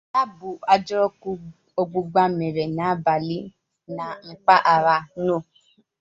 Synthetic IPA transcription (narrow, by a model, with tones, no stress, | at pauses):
a˦bʊ˨a˨d͡ʒɔ˦ɾɔ˦k | o˦ɡ͡bu˦ɡ͡ba˦me˨ɾe˨na˨a˦ba˨li˦ | na˨ŋ͡m̩˨k͡pa˦ʔa˨ɾa˨no˦˨